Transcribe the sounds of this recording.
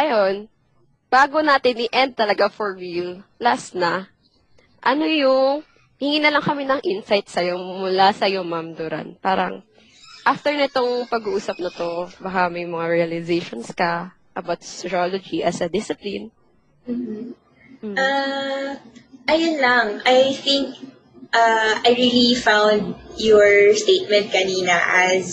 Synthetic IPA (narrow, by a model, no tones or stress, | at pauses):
ʔɐjon | b̥aːɡo̞naːt̪ɪnʔɪʔɛnd̪̚t̪ːɐlɐɡafoɹwillasnɐ | ʔɐno̞jʊŋ | hɪŋiːnɐlɐŋkɐminɐŋʔɪnsajt̪̚sɐjomʊlasɐjo̞mamd̪ʊɾɐ̰npaːɾɐ̰ŋ | ʔaft̪ɛɹnɪt̪oŋpɐɡuʔuːsɐp̚nɐt̪o̞bɐkamɐjmɐŋaɹiɐlɪzejʃonskɐ | ʔɐbawt̪ssɪɾolod͡ʒiʔɐsɐd̪ɪsɪplɪn | m̩ːh̩ | ʔa | ʔɐjonlɐŋʔajθɪ̃ŋk̚ | ʔaajɹilifãwnd̪̚jɔɹst̪eːt̪̚mɛ̃nt̪̚kɐniːnɐʔɐz